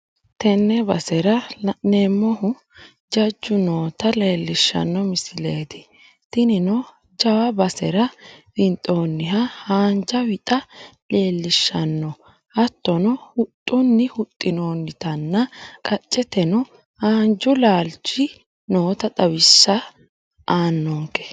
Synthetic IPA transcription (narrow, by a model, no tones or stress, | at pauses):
t̪ɛnːɛbɐ̰sɛɾɐnemːɔhʊ | d͡ʒɐd͡ʒːʊno̞ːt̪ɐle̞ːlːɪʃːɐ̰nːɔmɪsɪle̞ːt̪ɪ̥ | t̪ɪnɪnɔ | d͡ʒɐwɐbɐsɛ̰ɾɐbɪnt̪ʼoːnːɪɦɐhaːnd͡ʒɐwɪt̪ʼɐle̞ːlːɪʃːɐnːɔ | hɐt̪ːɔnɔhʊt̪ʼːʊnːɪhʊt̪ʼːɪnoːnːɪt̪ɐnːɐkʼɐt͡ʃʼːɛt̪ɛnɔ | haːnd͡ʒʊlaːlt͡ʃɪ | noːt̪ɐt̪ʼɐwɪsːɐ | ʔaːnːɔŋkɛ̥